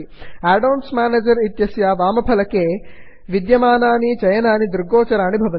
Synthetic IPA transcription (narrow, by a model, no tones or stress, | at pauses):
aːɖɐwnsmaːneːd͡ʒɐɾit̪jɐsjaʋaːmɐpʰɐlɐkeː | ʋid̪jɐmaːnaːnit͡ʃɐjɐnaːnid̪uɾɡoːt͡ʃɐɾaːnibʱɐʋɐn